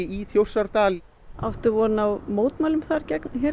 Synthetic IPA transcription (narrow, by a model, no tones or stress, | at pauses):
iθjowsaɾt̪aːl | a̰wft̪ʏvɔɾnawmoːwt̪maːlʏmθaɾcɛknçɛ